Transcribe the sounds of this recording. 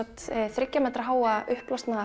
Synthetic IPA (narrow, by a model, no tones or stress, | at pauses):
t̪θɾɪcːamɛt̪ɾaɦaːwaʔʏhplast̪naða